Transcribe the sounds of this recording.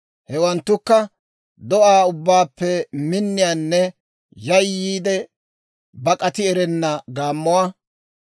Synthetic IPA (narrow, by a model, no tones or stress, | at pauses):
hɛwɐnt̪ːʊkːɐ | d̪ɔʔaːʊbːaːpːɛmɪnːɪjaːnːɛ | jɐjːiːd̪ɛ | bɐkʼɐt̪ɪɛɾɛnːɐɡaːmːɔwaː